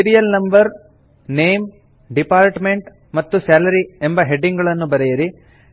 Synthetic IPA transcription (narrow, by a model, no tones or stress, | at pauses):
iɾijɐlnɐmbɐɾ | neːm | ɖipaːɾʈmeɳʈ | mɐt̪ːusaːlɐɾiembɐɦe̞ɖiŋɡɐɭɐnːubɐɾɛjɐɾi